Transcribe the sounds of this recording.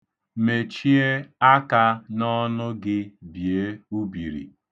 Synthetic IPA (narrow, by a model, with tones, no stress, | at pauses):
me˨t͡ʃi˦e˦a˦ka˦nɔ˦nʊ˦ɡɪ˦bi˨e˦u˦bi˨ɾḭ˨